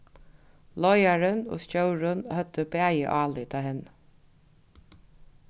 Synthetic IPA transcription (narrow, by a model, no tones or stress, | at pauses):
lɔjaɾəno̰ːscœwɾʊnhœt̪ːəbæːjə̰ʔɑːlɪt̪ʰɑːɦɛnː